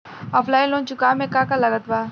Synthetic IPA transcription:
ɔpʰlaːjlõnt͡ʃukamẽkakalɐɡət̪ba

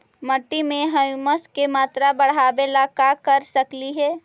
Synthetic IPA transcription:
məʈːimẽɦəjməskemaːt̪ɾabəɽ̤aːbelakakəɾsəkliɦɛː

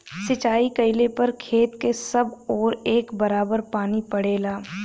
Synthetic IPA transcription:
sɪt͡ʃaːikɐɪlepɐɾkʰeːt̪kesɐbɔːɾeːkbɐɾaːbəɾpaːnipɐɽeːlaː

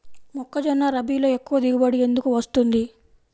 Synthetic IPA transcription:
mɔkːɐd͡ʒɐnːaːɾɐbiːlo̞ːe̞kːuʋɐd̪iɡɐbɐɽije̞nd̪ukuʋɐst̪und̪i

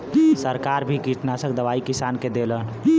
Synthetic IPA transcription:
səɾkaːɾbʱikiʈnasə̃k̚d̪əʋaːikisaːnked̪elən

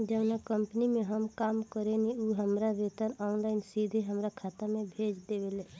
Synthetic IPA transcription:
d͡ʒəʋnakəmpnimẽɦəmkaːmkəɾeniuɦəmɾaɾet̪ənɔːnlaɪnsid̪ʱeɦəmɾakʰaːt̪amẽbʱeːd͡ʒd̪ewele

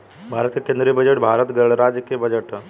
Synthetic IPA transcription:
bʱaɾət̪ijəkend̪ɾijəbəd͡ʑeʈbʱaɾət̪ɡəɭɾad͡ʑkijəbəd͡ʑeʈ

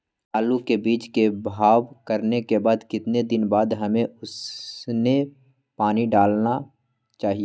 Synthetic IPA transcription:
aːlukebiːt͡ʃkebʱaːʋkɐɾnekebaːd̪kɪt̪ned̪ɪnbaːd̪ɦɐmẽʊsne | paːniɖaːlna | t͡ʃaːɦieː

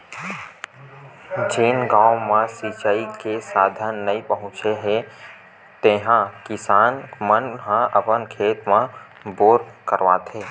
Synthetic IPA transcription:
d͡ʒeːnɡãːmãsit͡ʃaːikesaːd̪ʱənːəipəɦʊ̃t͡ʃeɦe | t̪ẽːɦãkɪsaːnmənɦãʔəpənkʰeːt̪mã | boːɾkəɾʋaːt̪ʰɦeː

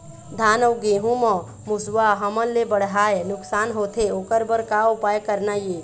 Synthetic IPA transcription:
d̪ʱaːnəwɡeːɦũmɔ | mʊswaɦɐmənlebəɽ̤ɦaːenʊksaːnɦoːt̪ʰeokəɾbəɾkaʊpaːjkəɾnajeː

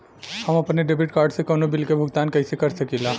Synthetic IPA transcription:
həməpneɖebiʈ̚kaɾɖsẽkonobilkebʱʊɡt̪ankəjsekəɾsəkila

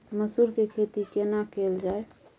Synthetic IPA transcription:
məsuɾkekʰet̪ikenakeld͡ʒae

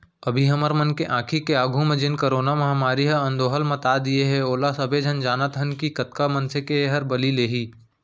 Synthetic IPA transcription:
ɐbʱiɦɐməɾmɐnkeʔãːkʰikeaːɡʱũmẽd͡ʒɪnkɐɾoːnamɐɦamaːɾiɦɐɐ̃nd̪oːɦəlmɐt̪aːd̪ieɦɛoːlasɐbʱed͡ʒʱɐnd͡ʒaːnat̪ɦənkikɐt̪kamɐnsekeeɦɐɾbɐlileːɦiː

